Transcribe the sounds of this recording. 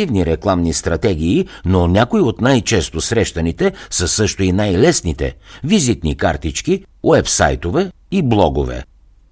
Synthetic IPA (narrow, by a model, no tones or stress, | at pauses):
ivniɾɛklˠamnist̪ɾɐt̪ɛɡʲiːnonʲakoiot̪najt͡ʃɛst̪osɾɛʃt̪ɐnit̪ɛsəsɤʃt̪ʊinajlɛsnit̪ɛ̰vizit̪nikaɾt̪it͡ʃki | wɛpsa̰jt̪ovɛ | iblˠɔɡovɛ̰